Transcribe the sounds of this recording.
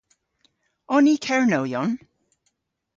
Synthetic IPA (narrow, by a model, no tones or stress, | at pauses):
ɔniːkʰɛɹnowjɔn